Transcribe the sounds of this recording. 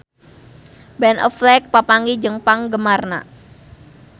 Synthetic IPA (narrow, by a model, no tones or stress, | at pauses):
bɛnʔɔ̰flɛk̚papaŋid͡ʒəŋpaŋɡəmarna̰